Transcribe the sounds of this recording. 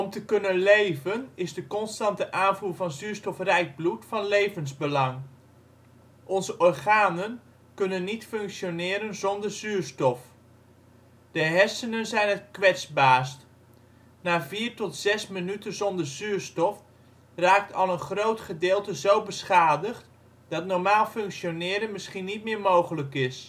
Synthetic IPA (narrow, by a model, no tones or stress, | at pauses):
ɔmtəkɵnənlejvənɪzdəkɔnstɑntəʔaːnvuːɹvɑnzyːstɔfrɛjɡ̚blutfɑnlejvənzbəlɑŋ | ʔɔnzəʔɔrχaːnən | kɵnənːitfɵŋkʃjonɪːɾənzɔndərzyːɹstɔf | d̥əɦɛsənənzɛjnətkʋɛtzbaːst | naːviːrtɔtz̥ɛsmənytənzɔndəɹzyːɹstɔf | raːk̚tʰɑlˠənχrowtχədɪːlˠtəzowbəsχaːdəχt | d̥ɑtnɔɹmaːlˠfɵŋkʃjonɪːɾənmɪsχinit̚mɪːɹmowχələkɪs